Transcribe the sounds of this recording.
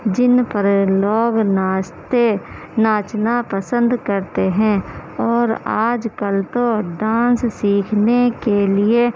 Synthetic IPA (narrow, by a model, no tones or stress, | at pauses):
d͡ʒɪnpəɾəlɔːɡnat̪e | naːt͡ʃnapəsə̃nd̪kəɾt̪eɦɛ̃ːɔːɾaːd͡ʒkəlt̪oɖãːnssiːkʰnekelie